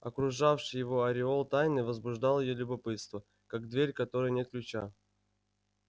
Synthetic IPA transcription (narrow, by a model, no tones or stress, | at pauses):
ɐkɾʊʐafʂɨjɪvo̞ɐɾʲɪo̞lˠt̪ajnɨvəzbʊʐd̪alˠjɪjolʲʊbɐpɨt̪st̪və | kaɡ̚d̪vʲeɾʲkɐt̪o̞ɾɨjənʲe̞t̪̚klʲʉt͡ɕa